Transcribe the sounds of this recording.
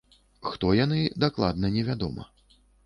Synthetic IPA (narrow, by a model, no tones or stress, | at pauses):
xt̪ɔjanɨd̪aklˠa̰d̪nɐnʲɛvʲad̪ɔmɐ̰